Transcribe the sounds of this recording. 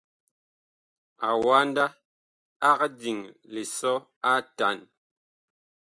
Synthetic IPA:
a˨wa˦n˦da˦ | a˦kdi˨ŋle˨sɔ˦ | a˦ta˨n

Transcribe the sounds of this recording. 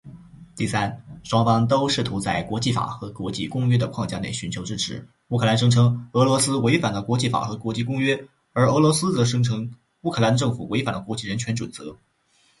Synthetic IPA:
t̪i˥˩sa˥nʂwɑ˥ŋfɑ˥ŋt̪̬o˥ʊʂɻ̩˥˩t̪ʰu˧˥t͡sa˥˩ɪkwɔ˧˥t͡ɕi˥˩fa̰˨˩xɤ˧˥kwɔ˧˥t͡ɕi˥˧kʊ˥ŋɥɛ˥d̪ə˨kʰwɑ˥˧ŋt͡ɕja˥˧˩ne˥˩ɪɕy˧˥nt͡ɕʰjo˧˥ʊʈ͡ʂɻ̩˥ʈ͡ʂʰɻ̩˧˥ | u˥˩kʰɤ˥˩la˧˥nʂ̬ɤ˥ŋʈ͡ʂʰɤ˧˥ŋɤ˧˥lwɔ˧˥sɹ̩˥we˧˥ɪfa˨˩nd̪ə˦kwɔ˧˥t͡ɕi˥˩fa̰˨˩xɤ˧˥kwɔ˧˥t͡ɕi˥˩˧kʊ˥ŋɥɛ˥ | ə˞˧˥ɤ˧˥lwɔ˧˥sɹ̩˥t͡sɤ˧˥ʂɤ˥ŋʈ͡ʂʰɤ˧˥ŋ | u˥˩kʰɤ˥˩la˧˥nd̪ə˧ʈ͡ʂɤ˥˩ŋfu˨˩we˧˥ɪfa˨˩nd̪ə˦kwɔ˧˥t͡ɕi˥˩ɻə˧˥nt͡ɕʰɥɛ˧˥nʈ͡ʂwə˨˩nt͡sɤ̰˧˥

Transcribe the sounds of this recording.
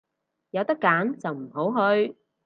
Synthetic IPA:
jɐ˨˧wt̪ɐ˥kːaː˨˥nt͡sɐ˨wm̩˨˩ɦo˨˥wɦɵ˧ɥ

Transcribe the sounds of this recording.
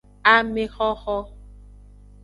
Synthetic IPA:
a˦me˦xɔ˦xɔ˦

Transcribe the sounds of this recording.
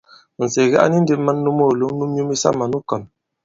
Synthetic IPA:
n̩˨se˨ɣa˦ʔa̰˦ni˦n̩˦de˦mə˦nːu˦mo˦˨lo˨˦mnu˦mɲu˦mi˦sa̰˦ma˨nu˦kɔ˨m

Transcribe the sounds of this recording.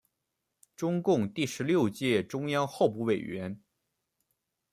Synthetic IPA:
ʈ͡ʂʊ˥ŋkʊ˥˧ŋt̪i˥˩ʂɻ̩˧˥ljo˥˧ʊt͡ɕjɛ˥˩ʈ͡ʂʊ˥ŋjɑ˥ŋxo˥˧ʊp̬u˥˩we˨˩ɪɥɛ˧˥n

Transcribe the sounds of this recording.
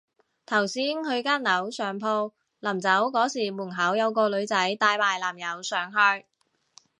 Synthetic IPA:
t̪ʰɐ˨˩wsiː˥nhɵ˧ɥkaː˥nnɐ˨˥wsœː˨ŋpʰo˧w | lɐ˨˩mt͡sɐ˨˥wkɔː˨˥siː˨˩muː˨˩nɦɐ˨˥wjɐ˨˧wkɔː˧lɵ˨˧ɥt͡sɐ˨˥jt̪aː˧jmaː˨˩jlaː˨˩mjɐ˨˧wsœː˨˥ŋɦœː˧ɥ

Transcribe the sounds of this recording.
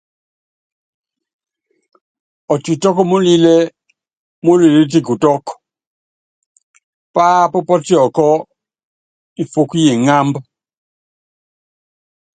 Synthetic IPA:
ɔ˨ti˨tɔ˦kɔ˦mu˦li˦lɛ˦ | mu˦li˨le˦t̬i˦ku˨tɔ˦kɔ̥˨ | paː˦pɔ˦pɔ˦ti˦ɔ˨kɔ˦ | i˨fu˦ku˦je˨ŋa˦mba˦

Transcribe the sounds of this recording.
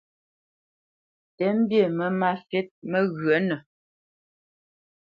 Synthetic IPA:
tɛ˨˦m̩˦bje˦˨mə˦ma˦sɛ˦t̚mə˦ɣɰə˨˦nə˨

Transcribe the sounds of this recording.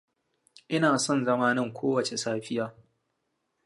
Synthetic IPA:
ʔɪ˦naː˨sɔ˦nzɐ˦maː˦nɐ˦˨ŋkʷʰoː˦wɐ˨t͡ʃe˨saː˦ɸɪ˦jaː˦

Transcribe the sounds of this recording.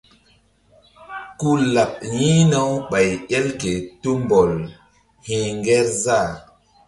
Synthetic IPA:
ku˦la˨p̚jĩ˦na˦wɓa˨jɛ˦lke˨tu˦mbɔ˨l | hĩ˨ŋɡɛ˦ɾza˦˨

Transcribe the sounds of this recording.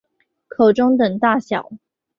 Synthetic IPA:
kʰo˨˩ʊʈ͡ʂʊ˥ŋt̪ə˨˩ŋt̪a˥˩ɕjɑ˨˩˦ʊ

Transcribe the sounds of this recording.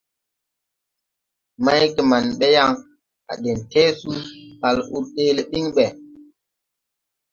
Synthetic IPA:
ma˦jke˨ma˨nɓe˦ja˦ŋ | a̰˨ɗe˨nte˦su˦ɓa˨lṵ˦ɾɗe˦le˨ɗi˦ŋɓɛ˨

